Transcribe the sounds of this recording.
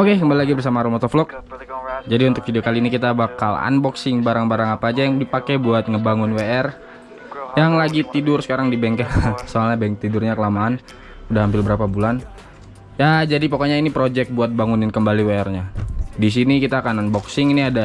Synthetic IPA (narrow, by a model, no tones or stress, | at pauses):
okekəmbalilaɡibərs̬amaɾɔmɔt̪ɔflɔk̚ | d͡ʒadiunt̪ʊkfidiokaliːnikit̪abaka̰la̰nbɔksɪŋbaɾaŋbaɾaŋapaːd͡ʒajaŋdipakɛbuat̪̚ŋəbaŋʊnweɛr | jaŋlaɡit̪idʊrsə̥kaɾaŋdibɛŋkɛsoalɲabaɛŋ̚t̪idʊrɲakəlamaːn | udahɦampɪlbəɾapabulan | jad͡ʒadipokoɲainipɾod͡ʒɛk̚buat̪̚baŋunɪnkəmbaliweɛrɲadis̬inikit̪aːkananbɔksɪŋiniada